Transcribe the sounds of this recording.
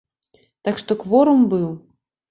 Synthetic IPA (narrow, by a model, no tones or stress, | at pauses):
t̪akʂt̪ɔkvɔɾumbɨw